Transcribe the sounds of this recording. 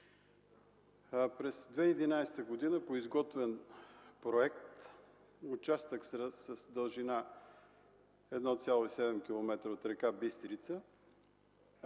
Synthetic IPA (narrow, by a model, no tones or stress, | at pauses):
pɾɛsd̪vɛid̪inajst̪əɡod̪inəpoizɡɔt̪vɛnpɾoɛk̚t̪ | ut͡ʃast̪əksɾəsəsd̪əlˠʒina | ɛd̪nɔt̪sʲjalˠoisɛd̪ɛmk̟ʲilˠomɛt̪ɾəot̪ɾɛkabist̪ɾit̪sə